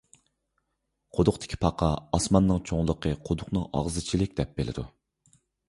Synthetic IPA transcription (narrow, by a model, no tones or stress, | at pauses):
qʰod̪ʊqd̪ɪ̥kʲʰi̥pʰɑqʰɑɑsmɑnːɨŋt͡ʃʰoŋlˠəqʰəqʰod̪ʊqnɨŋɑ̰ʁzɨt͡ʃʰilɪkʲd̪ɛp̚belɪ̰d̪ṵ